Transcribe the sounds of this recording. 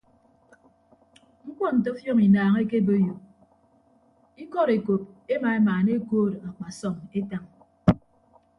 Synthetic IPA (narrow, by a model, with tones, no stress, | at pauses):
ŋ̩˦k͡pɔ˦n̩˨to˦fjɔ˦ŋi˨naː˨ŋe˦ke˦bo˦jo˨ | i˦kɔ˦˨ɾe˨ko˨p̚e˦ma˨e˦maː˨ne˦koː˦ɾa˨k͡pa˨sɔ˦˨ŋe˦ta˦ŋ